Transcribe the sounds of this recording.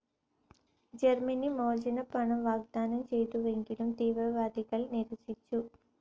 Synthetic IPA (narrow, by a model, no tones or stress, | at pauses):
d͡ʒɐɾmɐnimoːd͡ʒɐnɐpɐɳɐmʋaːɡ̚d̪aːnɐmt͡ʃejt̪uʋeŋkilɐmt̪iːʋɾɐʋaːd̪ikɐlniɾʋɐsit͡ʃːu